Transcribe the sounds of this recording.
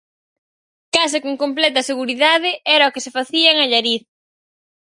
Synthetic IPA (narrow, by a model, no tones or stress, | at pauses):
kas̬ɪkoŋkomplɛt̪ɐseɣuɾiðaðɪɛɾɐokɪsɪfaθiɐŋɐʎaɾiθ